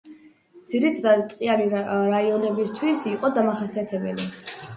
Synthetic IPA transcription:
d̪z̥iɾit̪ʰad̪at̪ʼqʼiaɾiɾaiɔnɛbist̪ʰwisiqʼɔd̪amaχasiat̪ʰɛbɛli

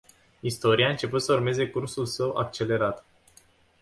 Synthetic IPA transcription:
ist̪o̞ɾiaɨnt͡ʃe̞put̪səurme̞ze̞kursulsəwa̰k̚t͡ʃe̞le̞ɾat̪

